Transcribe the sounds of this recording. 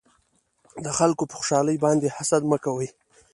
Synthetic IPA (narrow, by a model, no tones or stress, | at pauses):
d̪əxalkopəxʊ̥ʃɑləjbɑnd̪ehasad̪məkawəj